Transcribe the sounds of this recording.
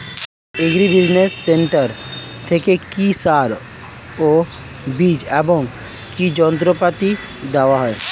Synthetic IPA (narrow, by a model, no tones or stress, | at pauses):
eɡɾibid͡ʒnesːeɳʈəɾ | t̪ʰekekisaɾ | o | bid͡ʒebɔŋɡ | kid͡ʒɔnt̪ɾopat̪i | d̪aʋaɦɔe